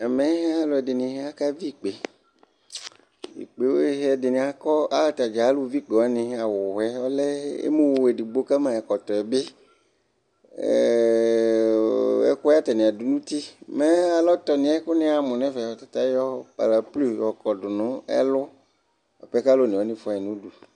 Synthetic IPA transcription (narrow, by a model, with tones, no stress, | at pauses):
ɛ˨mẽ˨˦ɦa˦lʊ˨ɛ˨dɪ˨nĩ˨ɦe˦a˦ka˦vi˦˨k͡pe˨ | ḭ˨k͡pe˨wo˦e˦ɦɛ˦˨dɪ˨nĩ˨a˨kɔ˦a˦la˨t̪a˨d͡ʒa˨a˦lu˦vi˦k͡pɔ˨a˦nĩ˨a˨wʊ˨ɛ˦ɔ˦lɛ˦ḛ˦mũ˦wo˨e˨di˨ɡ͡bo˦ka˦mã˨ɛ˨kɔ˨t̪ɔ˨ɛ˨be˦˨ | ḛ˦kɔ˦a˦t̪a˨nĩ˨a˨du˨nũ˦t̪i˦me˦a˨lɔ˦t̪ɔ˨nĩ˨a˦kʊ˦nẽ˦a˨mʊ̃˨nɛ̃˦vɛ˨ɔ˨t̪ḁ˨t̪a˦jɔ˦pa̰˨la˨plu˦˨ɔ˨kɔ˨dʊ˨nʊ̃˦ɛ̰˦lʊ˦ | a̰˨ɸɛ˦ka˦lo˦nĩ˨ɔ˨˦nĩ˦fɔ˦ɛ˨nũ˦du˨